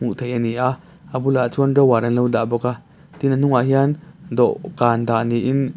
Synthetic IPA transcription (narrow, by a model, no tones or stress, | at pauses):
muʔt̪ʰejʔəniʔa | əbulaʔt͡sundawaɾanlowd̪abɔka | t̪inən̥uŋaʔɦiand̪ɔʔkaːnd̪aʔniʔin